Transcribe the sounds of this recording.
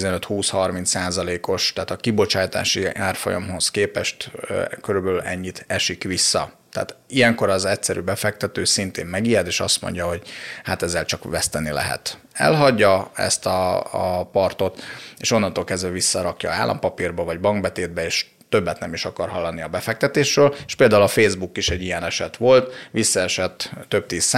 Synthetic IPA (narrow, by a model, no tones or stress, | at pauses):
zɛnøt̪huːshɒrmint̪saːzɒleːko̞ʃt̪ːt̪ɒkibo̞t͡ʃaːjt̪a̰ːʃiaːrfojɒ̰mɦo̞skeːpɛʃt̪ːkøɾybɛlylʔɛɲːit̪ʰɛʃikʋisːɒt̪ɛ̰ːt̪iɛŋko̞ɾɒzɛcsɛɾy̰ːbɛfɛk̚t̪ɛt̪øːsint̪ḛːmːɛɡijɛd̪eːʃɒst̪mo̞̰ɲɟɒɦo̞ɟhat̪ɛzːɛlt͡ʃɒkʋɛst̪ɛnilɛ̰ɦɛ̰t̪ | ɛ̰lɦɒɟːɒɛ̰st̪ɒ̰ | pɒrt̪o̞t̪eːʃo̞nːɒnt̪oːlkɛzd̪vɛvisːɒɾɒkjɒ̰a̰ːlʔɒ̰mpɒpirbɒvɒɟbɒŋɡbɛt̪eːd̪̚bɛeːʃ | t̪ø̞bːɛt̪nɛmiʃɒkɒrɦɒlːɒniɒbɛfɛk̚t̪ɛt̪eːʃrøːleʃpeːld̪aːulɒfeːzbukiʃɛɟːijɛnɛʃɛt̪ʋo̞lt̪ʋisːɒɛʃɛt̪ːøb̚t̪iːsa